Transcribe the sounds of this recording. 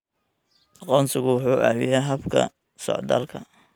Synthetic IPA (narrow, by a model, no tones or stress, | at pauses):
ʔɑqɔːnsɪɣʊwʊħuːʔæːwɪjaɦɐbkʰɐ̰ | sɔ̰ʕd̪ɐ̰lkʰɐ